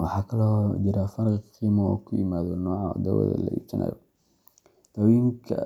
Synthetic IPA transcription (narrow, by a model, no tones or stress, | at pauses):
wɑħɑːkʰɐlɔd͡ʒɪɾafɐɾkqiːmɔːkʰʊjɪmaːðɔnɔːʕa̰d̪ɐ̰wɛ̰ðɐ̰lɐ̰ʔḭːt͡ʃɪnʔa̰ːjɔ̰ | t̪awiːŋkʰɐ̰